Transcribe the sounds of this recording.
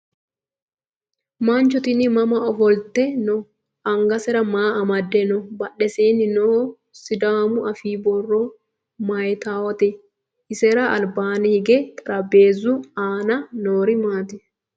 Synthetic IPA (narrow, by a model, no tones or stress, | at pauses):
maːnt͡ʃɔt̪ɪnɪmɐmɐɔfɔlt̪ɛnɔ | ɐŋɡɐsɛɾɐmaːɐmɐd̪ːɛnɔbɐɗːɛseːnɪnoː | sɪd̪aːmʊʔɐfiːbɔrːɔ | mɐjt̪aːwɔt̪ɛ | ɪsɛɾɐɐlbaːnɛhɪɡɛt̪ʼɐɾɐbeːzʊaːnɐnoːɾɪmaːt̪ɪ